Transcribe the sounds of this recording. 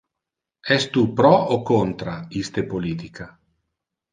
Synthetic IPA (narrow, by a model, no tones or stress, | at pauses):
ɛst̪upɾɔokont̪ɾaist̪epolit̪ikʰa